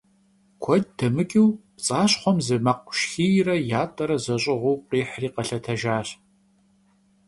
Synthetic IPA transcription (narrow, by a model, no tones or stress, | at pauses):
kʷʰɔd̚d̥ɐmɨkʲʼiwpt͡sʼaːɕχʷɔmzɨmɐqʷʊ̥ʃxiːjrɐjaːtʼɐɾɐzɐɕʼɪʁʷuːqiːħriːqɐɬɐtʰɐʒaːɕ